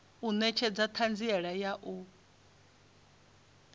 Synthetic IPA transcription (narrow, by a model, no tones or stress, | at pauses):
unɛt͡ʃʰɛd͡zat̪ʰand͡ziɛɺajaʔu